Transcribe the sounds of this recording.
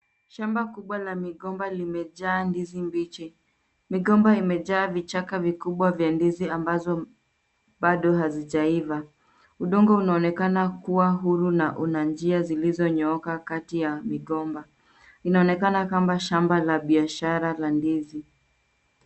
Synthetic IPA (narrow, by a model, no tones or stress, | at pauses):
ʃambakuɓwalamiɠɔmbalimɛʄaːndizimbit͡ʃɛ | miɠɔmbaimɛʄaːvit͡ʃakavikuɓwavjandiziambazɔ | ɓaɗɔɦaziʄaiva | uɗɔŋɡɔunaɔnɛkanakuwaɦuɾunaʔunand͡ʒiazilizɔɲɔɔkakatijamiɠɔmba | inaɔnɛkanakambaʃambalaɓiaʃaɾalandizi